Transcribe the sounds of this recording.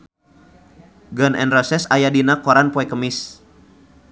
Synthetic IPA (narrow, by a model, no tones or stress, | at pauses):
ɡɔnʔɛ̰nrɔsɛsajadinakɔɾanpɔɛkəmɪs